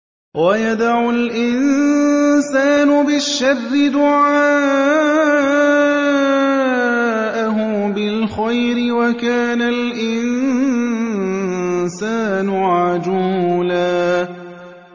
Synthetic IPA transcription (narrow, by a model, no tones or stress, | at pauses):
wajad̪aʕʊlʔɪn | saːnʊbɪʃːarːɪd̪ʊʕaaː | ʔaɦʊ | bɪlxajɾɪwakaːnalʔɪn | saːnʊʕʕad͡ʒuːlaː